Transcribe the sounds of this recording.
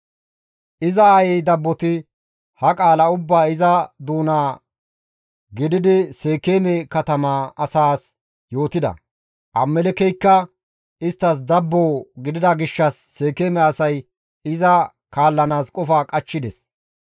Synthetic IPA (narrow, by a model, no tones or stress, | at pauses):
ʔɪzɐːjɛjd̪ɐbːɔt̪ɪ | hɐkʼaːlɐʊbːaːɪzɐd̪uːnaː | ɡɪd̪ɪd̪ɪseːkeːmɛkɐt̪ɐmaːɐsaːs | jo̞ːt̪ɪd̪ɐ̰ | ʔɐmːɛlɛkɛjkːɐ | ɪst̪ːɐs̬d̪ɐbːoːɡɪd̪ɪd̪ɐɡɪʃːɐsːe̞ːkeːmɛɐsɐj | ɪzɐ | kaːlːɐnaːskʼɔfaːkʼɐt͡ʃːɪd̪ɛs